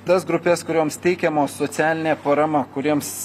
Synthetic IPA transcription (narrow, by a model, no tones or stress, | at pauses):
t̪ɐsɡɾʊpʲɛskʊɾʲoːmst̪ʲɛɪkʲɛmoːsoːt̪sʲæːlʲɪnʲeːpɐɾɐmɐkʊɾʲiɛms